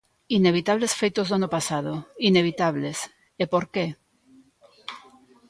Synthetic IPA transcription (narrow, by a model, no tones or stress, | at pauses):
ineβ̞it̪aβ̞lesfejt̪ozðanopasað̞oineβ̞it̪aβ̞les | epoɾke